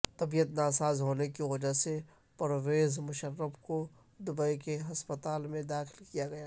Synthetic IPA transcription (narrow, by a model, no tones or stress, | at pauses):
t̪ɐbijət̪naːsaːzɦoːnekiʋɐd͡ʒase | pɐɾʋeːzmʊʃəɾːəbko | d̪ʊbəikeɦɐspət̪aːlmẽd̪aːxɪlkijaɡɐjaː